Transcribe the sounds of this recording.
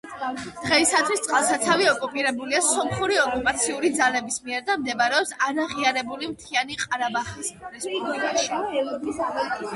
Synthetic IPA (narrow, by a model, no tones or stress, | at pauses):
d̪̥ʁɛisat̪ʰwist̪ʼalˠsat̪sʰaviɔkʼupʼiɾɛbuliasɔmχuɾiɔkʼupʼat̪sʰiuɾid̪zalɛbismiɛɾd̪amd̪ɛbaɾɛɔpsaɾaʁiaɾɛbulimt̪ʰianiqʼaɾabaχismɾis